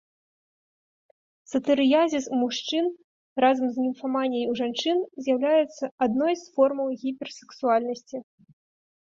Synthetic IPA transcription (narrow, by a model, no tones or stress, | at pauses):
sɐt̪ɨɾɨjazʲismuʂt͡ʂɨn | razɐmznʲimfamanʲːɐjuʐant͡ʂɨnzʲjawlʲajɛt̪sːɐad̪nɔjsfɔrmɐwɣʲipʲɛrsɛ̥ksualʲnɐsʲt͡sʲi